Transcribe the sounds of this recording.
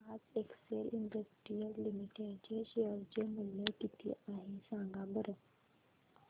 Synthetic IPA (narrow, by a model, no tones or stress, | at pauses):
aːtekseːlɪɳɖəsʈɾijəllimiʈeɖd͡ʒeʃeəɾd͡ʒemʊlːekit̪ʰḭʔaːɦĩsãːŋɡabəɾə